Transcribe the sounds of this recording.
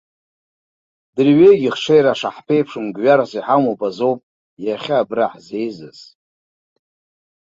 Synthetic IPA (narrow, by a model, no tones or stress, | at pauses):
dɨrɥejɡʲiχʂejɾaʂaħpʰe̞jpʰʂɨmɡɥaɾasiħamobʼazowpʼ | jaχʲaːbraħzejzɨ̰z